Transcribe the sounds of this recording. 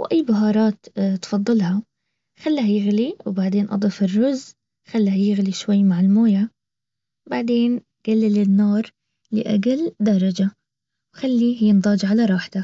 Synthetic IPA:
wʔajːbaɦɑːɾˤɑːt̪t̪fɑðˤːɨlhɑ | xalːhajɪɣliwbaʕd̪eːnʔɑ̰d̪ˤɨfɪrːʊz | xalːhajɪɣliʃwajːmaʕɪlmoːja | baʕd̪eːn | ɡ̥alːɪlɪnːɑːɾˤ | lɪ̰ʔa̰ɡald̪ɑɾˤɑd͡ʒa | wxalːijɪnd̪ˤɑːd͡ʒʕalaɾˤɑːħt̪a

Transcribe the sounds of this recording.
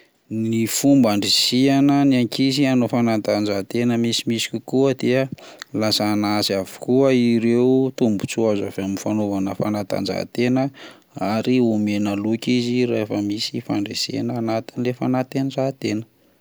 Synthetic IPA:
nifumbaɳɖ͡ʐisianəniaŋkizianofanant̪and͡ʒat̪enəmisimisi̥kʲukuəd̪eəlasaːnasavi̥kuəiɾeut̪umbu̥t͡suaza̰vamnfanovanəfa̰nat̪a̰nd͡ʒa̰t̪enə | aɾiumenalukizirefəmisifa̰ɳɖ͡ʐesḛnaːnat̪inilefanat̪enzat̪enə̥

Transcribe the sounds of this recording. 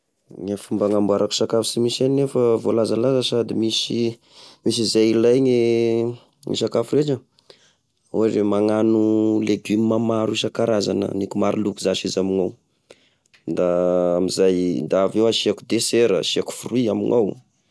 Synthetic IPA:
ŋafumbaŋambuaɾʔaku̥sakafu̥simisanefəvolazalazəsad̪imisi | mis̬izajilajŋi | ŋḭsakafuɾeʈ͡ʂə | oremaŋanuleɡymimamaɾiʃakaɾaza̰nə̰nikumaɾilukuzaʃizamiŋaw | d̪aamizajnd̪aːvewaʃiakud̪eseɾə̰ʃiaku̥furuiamḭŋaw

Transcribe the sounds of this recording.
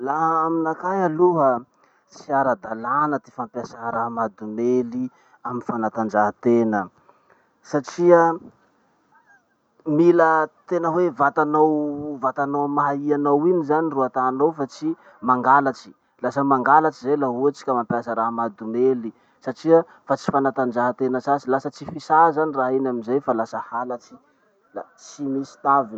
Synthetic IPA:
laɦaminakajaluɦə | siaɾad̪alanət̪efampjasaɦɾaɦmad̪umeli | aminfanat̪and͡ʒaɦət̪enə | saʈ͡ʂiə | milət̪enəwevat̪anawvat̪anowmaɦaianowinizaniruat̪anowfat͡si | maŋɡalat͡si̥ | lasəmaŋɡalat͡ʃizejlaɦuat͡si̥kʲamampiasəɾaɦmad̪umeli | saʈ͡ʂiə | fat͡si̥fanat̪and͡ʒaɦət̪enəsasilasət͡sifisazaniraɦinaminzajfalasəhalat͡si̥ | lat͡simisi̥t̪avi

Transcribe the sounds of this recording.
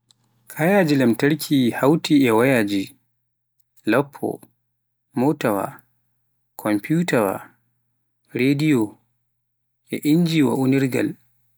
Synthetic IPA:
kʰajaːd͡ʒilamtaɾkʰihawtiɛwajaːd͡ʒi | lapʰːɔ̰ | motawa̰ | kʰɔmputawa̰ | ɾedijɔ | ʔɛʔiɲd͡ʒiwa̰ʔuniɾɡa̰l

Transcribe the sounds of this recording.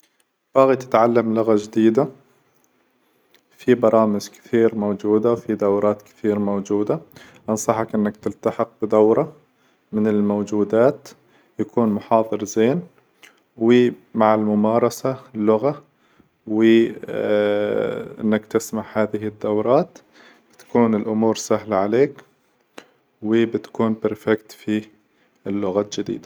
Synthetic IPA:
b̥ɑːɣit̪ɪ̥t̪ʕalːamlʊɣad͡ʒɪd̪iːd̪a | fibɑɾˤɑːmɪd͡ʒkɪ̥θiːɾmowd͡ʒuːd̪awfid̪awɾˤɑːt̪kɪ̥θiːɾmowd͡ʒuːd̪a | ʔɑnsˤɑħɑkʔɪnːakt̪ɪlt̪aħɪq̚bɪd̪awɾˤɑ | mɪnɪlmowd͡ʒuːd̪aːt̪ | jakuːnmʊħɑːðˤɨɾzeːn | wɪmaʕɪlmʊmɑːɾˤɑsalːʊɣa | wɪ | ʔɪ̰nːakt̪ɪsmaħhaːðɪɦɪd̪ːawɾˤɑːt̪ | b̥ɪt̪ḁkuːnɪlʔʊmuːɾsaɦlaʕaleːk | wɪbɪt̪ḁkuːnbɪɾfɪkt̪fi | ɪlːʊɣaːt̪d͡ʒɪd̪ḭːd̪a

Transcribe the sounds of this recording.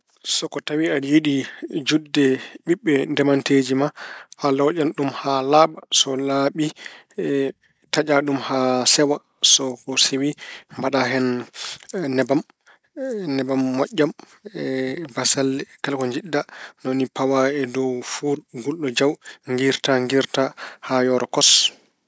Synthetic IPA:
sɔkɔtawiadjiɗid͡ʒudːɛɓiɓːɛndɛmanted͡ʒimaʔalɔʔamɗumhalaɓasɔlaɓi | tad͡ʒaɗumhasɛwa | sɔkɔsewimbaɗaɦɛn | nːɛbam | nɛbamːɔʔːam | ɛbasalːɛkalkɔɲd͡ʒiɗːanonipawaɛdɔwfuɡulɗɔd͡ʒawŋɡiɾtaŋɡiɾtahajɔɾɔkɔs

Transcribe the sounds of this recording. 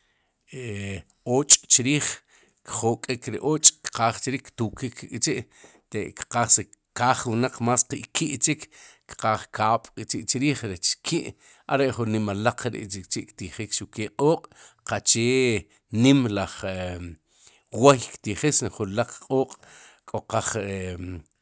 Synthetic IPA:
e | oːt͡ʃʼt͡ʃiɾiːχ | kχokʼikɾeʔoːt͡ʃʼkqaːχt͡ʃiɾiːkt̪ukikkʼt͡ʃiʔ | t̪eʔkqaːχsekaːχwunaq͡χmaːsqiʔkiʔt͡ʃikkqaːχkʰaːɓ̥ʼkʼt͡ʃiʔt͡ʃiɾiːχɾet͡ʃkʰiʔ | a̰ɾeʔχunːimalaq͡χɾḭʔt͡ʃikt͡ʃiʔkt̪iχikʃukeːqʼoːqʼqat͡ʃeː | nimlaχe | wejkt̪iχisχunlaq͡χqʼoːqʼ | kʼoqaχe

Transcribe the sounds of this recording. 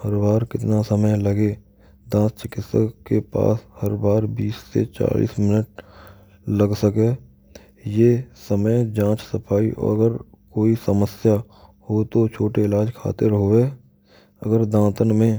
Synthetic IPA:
həɾbaːɾkɪt̪nasəməjləɡe | d̪ãːst͡ʃɪkɪt̪səkkepa̰ːshəɾbaːɾbiːsːḛt͡ʃa̰ːlḭːsmɪnəʈ̚ | ləɡsəke | jeːsəməjd͡ʒãːt͡ʃsəpʰaːiʔɔ̰ːɾəɡəɾkoːisəməsja | hot̪ot͡ʃʰoːʈeɪlaːd͡ʒkʰa̰ːt̪eɾɦoeː | ə̰ɡəɾd̪ãːt̪ənmẽ

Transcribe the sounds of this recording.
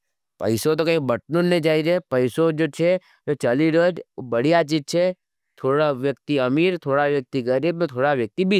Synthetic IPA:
pɐ̰ɪsot̪̬okɐɦĩbəʈnunːed͡ʒaːid͡ʒepɐɪsod͡ʒoːt͡ʃʰe | d͡ʒot͡ʃɐliɾəd͡ʒbɐɽ̤ijat͡ʃid͡ʒ̚t͡ʃʰe | t̪ʰoːɽaʋjɐk̚t̪iɐmiːɾt̪ʰoːɽaʋjɐk̚t̪iɡɐɾiːbmẽt̪ʰoːɽaʋjək̚t̪ibʱi

